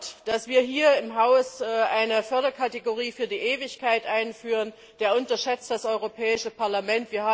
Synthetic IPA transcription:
td̥asv̥iːɐɦiːɐɪmɦaʊsʔʔaɪnəfœɐɾɐkʰateɡoʁiːfyːɐdiːʔeːvɪçkʰaɪtʔaɪnfyːʁən | d̥eːɐʔʊntɐʃɛt͡st̚d̥asʔɔʏʁopʰɛːɪʃəpʰaɐlamɛntv̥iːɐhaː

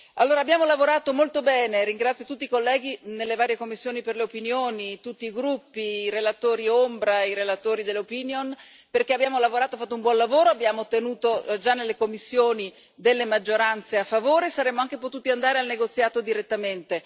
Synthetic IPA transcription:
alːoːɾaːbjaːmolavoɾaːt̪omolt̪obɛːneɾiŋɡɾat̪sːjot̪ut̪ːikolːɛːɡinelːevaːɾjekomːisːjoːniperleopinjoːnit̪ut̪ːiːɡɾupːiːɾelat̪oːɾiombɾaiɾelat̪oːɾid̪eleopinjon | perk̟eabːjaːmolavoɾaːt̪ofat̪ːoumbwɔnlavoːɾoabjaːmot̪ːenuːt̪od͡ʒanːelːekomːisːjoːni | d̪elːemad͡ʒːoɾant̪seafːavoːɾesaɾemːoaŋkepot̪uːt̪iand̪aːɾealneɡot̪sːjaːt̪od̪iɾet̪ːament̪e

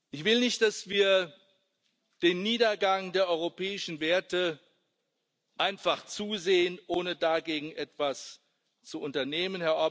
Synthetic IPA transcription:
ʔɪçv̥ɪlnɪçt̚d̥asv̥iːɐ | d̥eːnːiːdɐɡaŋdeːɐʔɔʏʁopɛːɪʃn̩veːɐtə | ʔaɪnfaχt͡suːzeːənʔoːnədaɡeːɡŋ̩ʔɛtv̥as | t͡suʔʊntɐneːmənhɛɐʔɔɐ

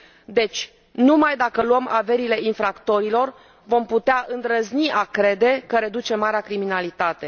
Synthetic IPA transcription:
d̪e̞t͡ʃʲ | numajd̪akəluəmave̞ɾile̞infɾakt̪o̞ɾilo̞r | vo̞mput̪eaʔɨnd̪ɾəzniʔakɾe̞d̪e̞kəɾe̞d̪ut͡ʃe̞maɾeakɾiminalit̪at̪e̞

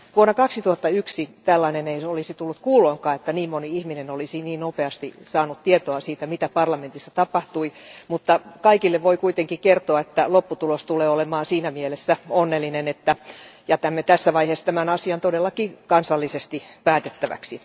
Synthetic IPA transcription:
ʋuonːɑkɑksit̪uhɑt̪ːɑyksit̪ælːɑineneisolisit̪ulːut̪kuːloːŋkɑːet̪ːæniːmmoniihminenolisiniːnnopeɑst̪isɑːnut̪t̪iet̪oɑsiːt̪æmit̪æpɑrlɑment̪isːɑt̪ɑpɑht̪uimut̪ːɑkɑikilːeʋʋoikuit̪eŋkikert̪oɑet̪ːælopːut̪ulost̪uleːolemɑːnsiːnæmielesːæonːelːinenet̪ːæjɑt̪æmːet̪æsːæʋɑihesːt̪æmænɑsiɑnt̪odelːɑkikɑnsɑlːisest̪ipæːt̪et̪ːæʋæ̰ksi

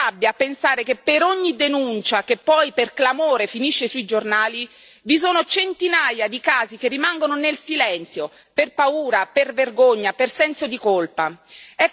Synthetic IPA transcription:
abːjapensaːɾekepːeɾoɲːid̪enunt͡ʃakepːɔjperklamoːɾefiniʃːesuid͡ʒornaːli | vis̬oːnot͡ʃent̪inajad̪ikaːzik̟erːimaŋɡononelsilɛnt̪sjo | perpauːɾaperverɡoɲːapersɛnsod̪ikolpaɛ

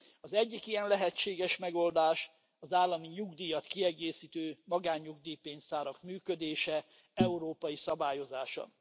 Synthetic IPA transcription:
ɒzɛɟːikijɛnlɛɦɛt͡ʃeːɡɛʃmɛɡo̞ld̪aːʃ | ɒzaːlːɒmiɲuɡd̪iːjɒt̪kiɛɡeːsiːt̪øːmɒɡaːɲːuɡd̪iːpeːnsaːɾɒkmyːkød̪eːʃɛ | ɛuɾoːpɒjisɒbaːjo̞zaːʃɒ̰

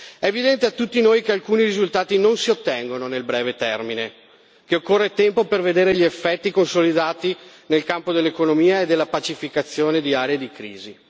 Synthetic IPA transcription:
ɛːvid̪ɛnt̪eat̪ːut̪ːinoːjkealkuːniɾizult̪aːt̪inonsiot̪ːɛŋɡononelbɾɛːvet̪ɛrmine | k̟eokːorːet̪ɛmpoperved̪eːɾeʎiefːɛt̪ːikonsolid̪aːt̪i | nelkampod̪elːekonomiːaed̪ːelːapat͡ʃifikat̪sːjoːned̪iaːɾeed̪ikɾḭːzi

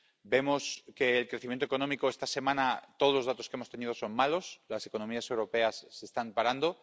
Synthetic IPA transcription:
be̞mo̞ske̞ːlkɾe̞θimjent̪oeko̞nomikoe̞st̪ase̞mãnat̪oð̞lozðat̪o̞skeemo̞st̪e̞nið̞o̞so̞nmalo̞slase̞ko̞nomiase̞wɾo̞pe̞asːe̞st̪ampaɾand̪o̞

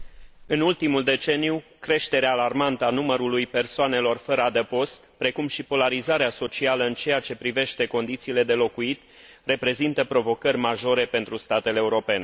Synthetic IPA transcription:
ɨnult̪imuld̪e̞t͡ʃe̞nijukɾe̞ʃt̪e̞ɾeaːlarmant̪əanuməɾulujpe̞rsoane̞lo̞rfəɾəad̪epo̞st̪pɾe̞kumʃipo̞laɾizaɾeaso̞t͡ʃialəɨnt͡ʃe̞jat͡ʃe̞pɾive̞ʃt̪e̞ko̞nd̪it̪siːle̞d̪e̞lo̞kuit̪ | re̞pɾe̞zint̪əpɾo̞vo̞kərʲmaʒo̞ɾe̞pe̞nt̪ɾust̪at̪e̞leːuɾo̞pe̞ne

